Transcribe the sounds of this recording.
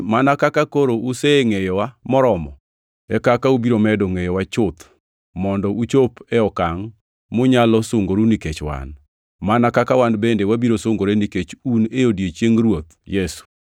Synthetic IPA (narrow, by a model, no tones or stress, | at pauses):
manakakakoɾouseŋejɔwamɔɾɔmɔ | ɛkakaubiɾomɛdoŋejɔwat͡ʃʊt̪ | mɔndɔʔut͡ʃopeɔkaŋ | mʊɲalɔsoŋɡoɾuniket͡ʃwa̰n | manakakawanbendewabiɾosoŋɡoɾeniket͡ʃuneodjet͡ʃjeŋɾwot̪jesu̥